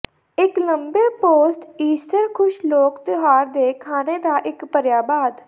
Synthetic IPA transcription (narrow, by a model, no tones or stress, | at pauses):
ɪkləmbeːpoːsʈiːsʈəɾkʰʊʃloːkt̪oɦaːɾd̪eːkʰaːneːd̪aːʔɪkpəɾjaːbaːd̪